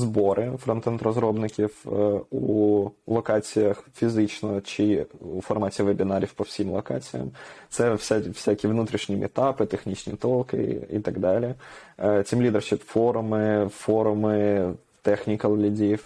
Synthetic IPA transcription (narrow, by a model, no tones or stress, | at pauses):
zboɾɪfɾɔnt̪ɛnt̪rɔzɾɔbnɪkʲifulˠɐkɑt͡sʲijɐxfʲizɪt͡ʃnɔt͡ʃɪufɐrmɑtʲɪʋebʲɪnaɾʲifpɔwsʲimlˠɐkɑ̰t͡sʲijɐ̰mt̪sɛfsʲafsʲakʲiʋnut̪ɾʲiʃnʲimʲɪ̰t̪ɑpɪt̪exnʲit͡ʃnʲḭt̪ɔlˠkɪ̰ḭt̪ɐɡd̪ɑlʲɪ | t͡sʲimlʲid̪ɛrʃɪfoɾʊmɪfoɾʊmɪ | t̪ɛxnʲikɐlˠlʲɪdʲif